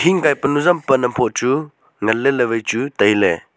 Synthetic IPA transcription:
tʰiŋkajpɐnuzampɐnɐmpʰɔt̚t͡ʃu | ŋɐlːelɐβɐjt͡ʃutɐjlḛ

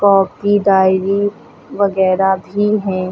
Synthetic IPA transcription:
kɔːp̚kid̪aːɪɾi | ʋɐɣɛːɾabʱiɦɛ̃ː

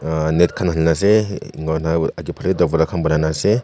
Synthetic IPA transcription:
net̚kʰanɦəlnas̬eḭŋɡanaaɡipʰalɡidɔbɔɾakʰanbɯnanase

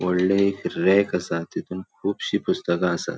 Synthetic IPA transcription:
wɐɽːeikɾeːkɐsaːt̪it̪umkʰuːbɕipʰust̪ɐɡãːsa̰t̪

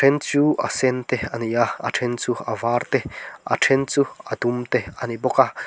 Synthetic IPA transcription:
ent͡suʔasent̪eanijaa̰ʈ͡ʂʰent͡sua̰vaɾt̪ea̰ʈ͡ʂʰent͡suad̪umt̪eaniboka

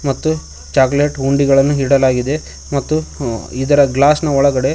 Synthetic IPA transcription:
mɐt̪ːu | t͡ʃaːɡleʈuɳɖiɡɐɭɐnːuɦiɽɐlaːɡid̪e̞ | mɐt̪ːuid̪ɐɾɐɡlaːsnɐɔɭɐɡɐɽe̞

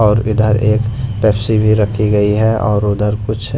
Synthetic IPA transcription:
ɔːɾʊd̪ʱəɾeːkpɛːpsibʱiɾɐkʰiɡɐiɦɛʔɔ̰ːɾʊd̪ʱəɾkʊt͡ʃʰ

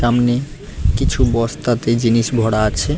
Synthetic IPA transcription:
amne | kit͡ʃʰubɔst̪at̪ed͡ʒinisbʱɔɽat͡ʃʰe

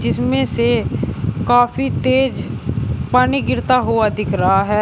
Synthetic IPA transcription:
d͡ʒɪsmẽse | kaːfʰit̪eːd͡ʒpaːniɡɪɾt̪aɦuad̪ɪkʰɾɐɦaɦɛː

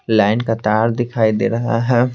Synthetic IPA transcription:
laːɪnkat̪aːɾd̪ɪkʰaːid̪eːɾɐɦa̰ɦɛː

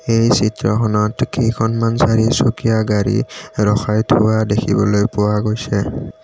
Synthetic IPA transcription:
ejsitɹɔxʰɔnɔtkʰejkʰɔnmansaɹisukijaɡaɹḭɹɔxʰajtʰʊwadekʰibɔlojpʊwaɡojsɛ

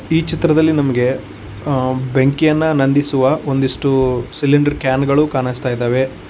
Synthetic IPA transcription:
iːt͡ʃit̪ɾɐd̪ɐlːinɐmɐɡe̞ | beŋkijɐnːɐnɐnd̪isuʋɐo̞nd̪iʂʈusilːiɳɖɐɾkjaːnɡɐɭukaːnɐst̪aːjd̪aːʋe

